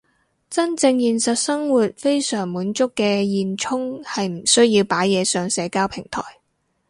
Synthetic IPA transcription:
t͡sɐ˥nt͡sɪ˧ŋjiː˨˧nsɐ˨t̚sɐ˥ŋwuː˨˩t̚fe˥jsœː˨˩ŋmuː˨˥nt͡sʊ˥kːɛː˧jiː˨nt͡ʃʰʊ˥ŋhɐ˨jm̩˨˩sɵ˥ɥjiː˧wpaː˨˥jjɛː˨˧sœː˨ŋsɛː˨˧kaː˥wpʰɪ˨˩ŋt̪ʰɔ̰ː˨˩j

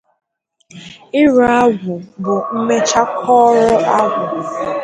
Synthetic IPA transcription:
ɪ˦ɾa˦ɡʷʊ˨bʊ˨m̩˦me˦t͡ʃa˦kʰɔː˦ɾɔ˦ʔa˦ɡʷʊ˨

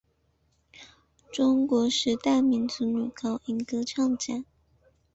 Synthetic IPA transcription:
ʈ͡ʂʊ˥ŋkwɔ˧˥ʂɻ̩˥˧t̪a˥˩ɪmi˧˥nt͡su˧˥˦ny˨˩kɑ˥ʊʔi˧˥ŋkɤ˥ʈ͡ʂʰɑ˥˩ŋʈ͡ʂa˨˩˦n

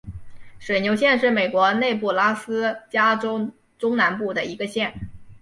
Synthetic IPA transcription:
ʂwe˨˩ɪnjo˧˥ʊɕjɛ˥˧nʂɻ̩˥˩me˨˩ɪkwɔ˧˥ne˥˧ɪp̬u˥˩la˥sɹ̩˥t͡ɕja˥ʈ͡ʂo˥ʊ | ʈ͡ʂʊ˥ŋna˧˥npu˥˩d̪ə˩i˧˥ɡə˧ɕjɛ˥˩n

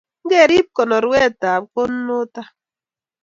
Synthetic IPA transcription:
ŋ˦ɡɛ˦˨ɾi˦p̚kɔ˨nɔ˨ɾwɛ˦˨ta˨p̚ko˦nː˦ʊ˦ta˦

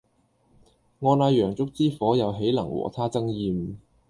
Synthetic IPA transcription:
ŋɔː˨˧naː˨˧jœː˨˩ŋt͡sʊ˥k̚t͡siː˥fɔː˨˥jɐ˨˧wɦe˨˥jlɐ˨˩ŋwɔ̰ː˨˩t̪ʰaː˥t͡sɐ˥ŋjiː˨˧m

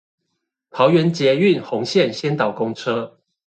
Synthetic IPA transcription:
t̪ʰɑ˧˦ʊɥɛ˨˦nt͡ɕjɛ˨˥y˥˨nxʊ˨˧˦ŋɕjɛ˥˨nɕjɛ˥nt̪ɑ˨˩ʊkʊ˥˦ŋʈ͡ʂʰɤ˥

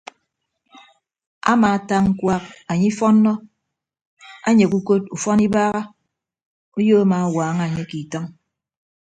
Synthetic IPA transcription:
a̰˦maː˨ta˦ŋŋ̩˦kwa˦k̚a˨ɲi˦fɔ˦nːɔ˦ | a˦ɲe˨ku˦ko˦t̚u˨fɔ˦ni˦baː˦ɣa˦ | o˦joː˦a˦ma˨a˦waː˨˦ŋa˨ɲe˦ki˨tɔ˦ŋ

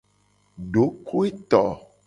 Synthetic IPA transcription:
ɖo˨˦kʰo˦e˦t̪ɔ˨

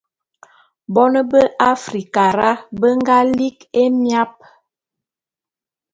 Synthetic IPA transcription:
bɔ˦nə˦bə˦ʔa˦fɾi˨ka˨ɾa˦bə˦ŋɡa˦li˦ke˦mja˦p̚

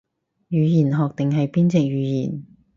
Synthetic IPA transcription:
jyː˨˧jiː˨˩nɦɔː˨k̚t̪ɪ˨ŋɦɐ˨jpiː˥nt͡sɛ˨k̚jyː˨˧jiː˨˩n

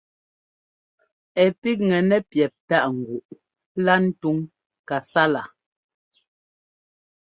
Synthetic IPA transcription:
ɛ˨pi˦k̚ŋɛ˨nɛ˦pjɛ˨p̚ta˦ʔŋ̩˨ɡu˨ʔ | la˦n̩˦tu˦ŋ | ka˨sa˦la˨

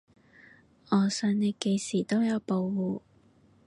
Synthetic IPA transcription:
ɔː˨˩sœː˧ŋne˨˧jke˧jsiː˨˩t̪o˥wjɐ˨˧wpo˧wwuː˨˧

